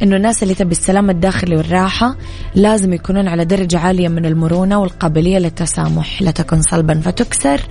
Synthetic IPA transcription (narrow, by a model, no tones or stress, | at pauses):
ʔɪnːʊnːaːsɪlːit̪abasːalaːmad̪ːaːxɪliwɪrˤːɑːħa | laːzɪmjakuːnuːnʕalad̪ɑɾˤɑd͡ʒaʕaːlɪjːamɪnɪlmʊɾuːnawɪlqɑːbɪlɪjːalɪt̪ːasa̰ːmʊħlat̪akuːnsˤɑlbɑnfat̪ʊksɑɾˤ